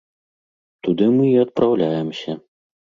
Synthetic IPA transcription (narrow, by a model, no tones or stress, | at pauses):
t̪ud̪ɨmɨiɐt̪̚pɾawlʲajɛmsʲɐ